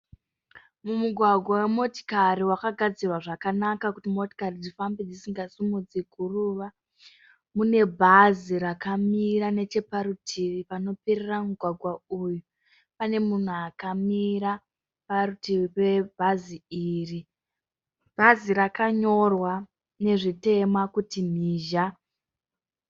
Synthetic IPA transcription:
mumuɡʱwaɡʱwawemo̞ti̥kaɾiwakaɡʱad͡zirwaʐakanakakutimo̞ti̥karid͡zifambed͡zisiŋɡasimud͡ziɡʱuruʋa | mune̞bʱazirakamiɾane̞t͡ʃe̞paɾutʰiʋipano̞peɾeramuɡʱwaɡʱwauju | pane̞mun̤uakamiɾa | parutipe̞bʱaziiri | b̥ʱaziɾakaɲo̞rwa | ne̞ʐite̞makutim̤iːʒa

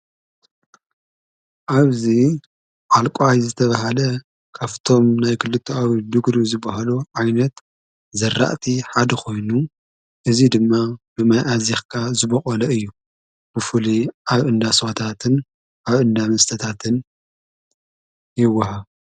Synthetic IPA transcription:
ʔaβzi | ʔalkʼajzɨt̪ʰɐβaɦalɐ | kʰaft̪ʰo̞mnajkʰɨlːɨt̪ʰːoawid̪ɨɡɾizɨbːaɦaluʕajnɐt̪ | zɐrːa̰ʔt̪ʰiħad̪ɐkʰo̞jnu | ʔɨzid̪ɨmːab̥ɨmajʔazexkʰazɨbɐχʼɐlɐɨjːu | b̥ɨfuliʔaβʔɨnd̪aswat̪ʰat̪ʰɨn | ʔaβʔɨnd̪amɐst̪ʰɐt̪ʰat̪ʰɨn | jɪwːɐɦa

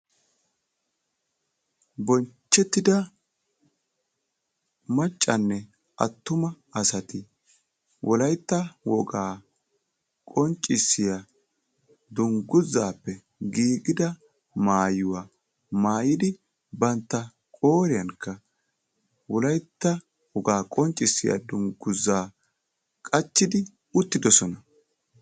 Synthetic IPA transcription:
bɔnt͡ʃːɛt̪ːɪd̪ɐ | mɐt͡ʃʼːɐnːɛ | ʔɐ̰t̪ːʊmɐ | ɐsɐt̪ɪ | wʔɔlɐjt̪ːɐwɔɡaː | kʼɔnt͡ʃʼːɪsːɪjɐ | d̪ʊŋɡʊzːaːpːɛ | ɡiːɡɪd̪ɐ | maːjʊwaː | maːjɪd̪ɪ | bɐnt̪ːɐ | kʼoːɾɪjɐnkːɐ | wɔlɐjt̪ːɐ | wɔɡaːkʼɔnt͡ʃʼːɪsːɪja̰d̪ʊŋɡʊzːaː | kʼɐt͡ʃːɪd̪ɪ | ʊt̪ːɪd̪ɔsɔnɐ

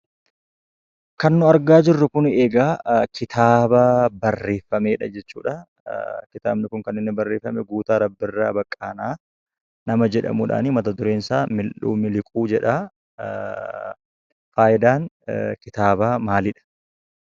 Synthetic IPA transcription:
kɐnːʊɐɾɡaːd͡ʒɪrːʊkʊneːɡaːkɪt̪ʰaːbaːbɐrːe̞ːfːɐmeːᶑɐd͡ʒɛt͡ʃːṵːᶑɐ | kɪt̪aːbnɪkʊŋkɐnːɪnːɪbɐrːe̞ːfːɐmɛɡuːt̪aːɾɐbːɪrːaːbɐkʼːaːnaː | nɐmɐd͡ʒɛᶑɐ̰muːᶑa̰ːniːmɐt̪ɐd̪ʊɾeːnsaːmɪlʔṵːmɪlɪkʼuːd͡ʒɛᶑaː | faːjɪd̪aːn | kɪt̪aːbaːmaːlɪᶑɐ̥

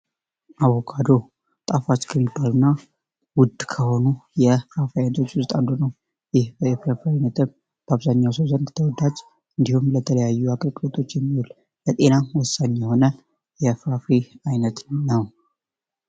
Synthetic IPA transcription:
ʔawːɔkʰʼad̪o̞ | t̪ʼafat͡ʃːkʰəmːibːalunːa | wʊd̪ːkʰəho̞nujɛfɾafiajnət̪ʰo̞t͡ʃːwʊst̪ʼand̪onəw | jɪhbəjɛfɾafiajnət̪ʰɨm | b̥əaβzaɲːawsəwzənd̪t̪ʰəwɔd̪ad͡ʒ | ɨnd̪ihumlət̪ʰələjajːuakʼəlkʼlot̪ʼʰo̞t͡ʃːjɛmːihul | lət̪ʼe̞nawɔsːaɲːjɛho̞nə | jɛfɾafiajnət̪nəw

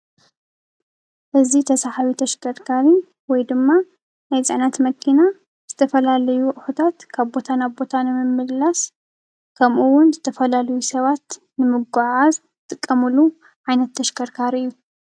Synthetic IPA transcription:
ʔɨzit̪ʰɐsaħaβit̪ʰɐʃkʰɐɾkʰaɾi | wɔjd̪ɨmːa | najzʼɨʕnat̪mɐkʰina | z̥ɨt̪ʰɐfɐlalɐjuʔħut̪ʰat̪kʰaβbo̞t̪ʰanaβbo̞t̪ʰanɨmɨmːɨdlas | kʰɐmʔuwʊnzɨt̪ʰɐfɐlalɐjusɐβat̪ | nɨmɨɡaʕaz | t̪ʼɨkʼːɐmɨlu | ʕajnɐt̪ʰːɐʃkɐɾkʰaɾiʔɨjːu

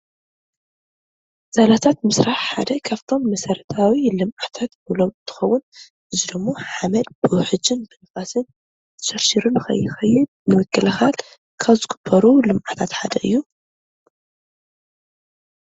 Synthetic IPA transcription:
z̥alat̪ʰat̪mɨsɾaħħa̰d̪ɐkʰaβt̪ʰo̞mːɐsɐɾɐt̪ʰawilɨmʔat̪ʰat̪ulomt̪ʰɨ̥xɐwːʊn | ʔɨzid̪ɨmːo̞ħamɐlbɨwħɨd͡ʒɨnbɨnɐfasɨn | zɨ̥ʃɐɾʃiɾunɨxɐ̰jːɪxɐjːɪd̪ | nɨwɨkʰːɨlɐxat̪ | kʰaβzɨɡɨ̥bʰːɐɾulɨmʔat̪ʰat̪ħad̪ɐʔɨjːu

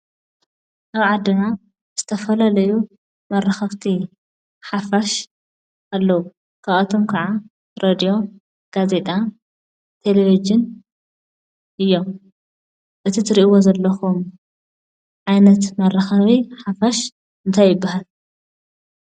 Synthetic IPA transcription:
ʔaβʕad̪ːɨna | z̥ɨt̪ʰɐfɐlalɐju | mɐrːɐxɐβt̪ʰi | ħafaʃ | alːɐwu | kʰaɐt̪ʰomkʰɐʕa | ɾʔed̪ijo̞ | ɡ̥aze̞t̪ʼa | t̪ʰe̞levid͡ʒɪn | ʔɨjːom | ʔɨt̪ʰit̪ʰɨɾiʔiwozɐlːɐxum | ʕajnɐt̪mɐrːɐxɐβiħafaʃ | ɨnt̪ʰajːɪbːahal

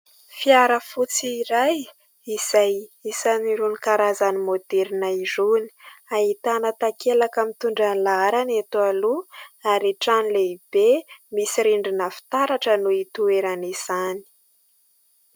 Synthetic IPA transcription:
fiaɾəfut͡siːɾaj | iz̥ajisaniɾunikaɾazanimod̪̥eɾinaizuni̥aɦit̪anət̪akelakamit̪uɳɖ͡ʐanlaɾanet̪ualuaɾiʈ͡ʂanileib̥emisiɾiɳɖ͡ʐinəfi̥t̪aɾaʈ͡ʂənuit̪ueɾaniz̥ani̥

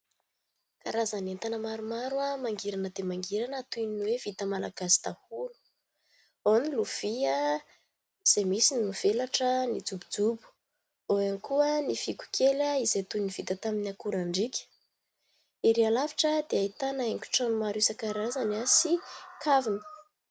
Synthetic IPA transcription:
kaɾazanant̪anəmaɾumaɾwamaŋɡiɾanəd̪emaŋɡiɾanət̪uninwevit̪əmalaɡ̥asi̥d̪̥ahulu̥ | oniluv̥iə | iz̥emisinimuv̥elaʈ͡ʂənid͡zubid͡zubu̥ | oanikuənifikʲu̥kʰelaizet̪univ̥it̪ət̪aminakuɾaɳɖ͡ʐikʲə̥ | iɾealavi̥ʈ͡ʂəd̪eait̪anaeŋkʲu̥ʈ͡ʂanumaɾisəkaɾazanasikʰavinə̥

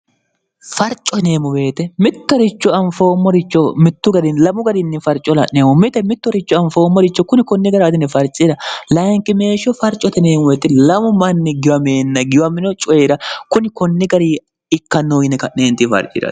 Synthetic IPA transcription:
fɐɾt͡ʃʼɔneːmʊbe̞ːt̪ɛmɪt̪ːɔɾɪt͡ʃːɔɐnfoːmːɔɾɪt͡ʃːɔmɪt̪ːʊɡɐd̪ɪnlɐmʊɡɐd̪ɪnːɪfɐɾt͡ʃʼːɔlɐ̰neːmʊmɪt̪ɛmɪt̪ːɔɾɪt͡ʃːɔɐnfo̞ːmːɔɾɪt͡ʃːɔkʊnɪkɔnːɪɡɐɾːd̪ɪnːɛfɐɾt͡ʃʼɪɾɐlɐjŋkʼːɪme̞ːʃɔfɐɾt͡ʃʼːɔt̪ɛneːmʊbeːt̪ɛlɐmʊmɐnːɪɡɪwɐmeːnːɐɡɪjwɐmɪnɔt͡ʃʼɔjeɾɐkʊnɪkɔnːɪɡɐɾi | ɪkːɐnːoːɡɪnɛkɐneːnt̪ːɪfɐ̰ɾt͡ʃʼːɪ̰ɾɐ̰

